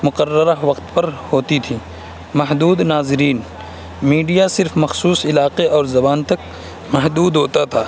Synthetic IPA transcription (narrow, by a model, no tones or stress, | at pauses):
mʊqɐrːəɾaʋɐqt̪pɐɾhoːt̪it̪ʰiː | mɐɦd̪uːd̪naːzɪɾiːn | miːɖijasɪɾfmɐxsuːsɪlaːqeɔːɾzɐbaːnt̪ɐk̚ | mɐɦd̪uːd̪ɦoːt̪at̪ʰaː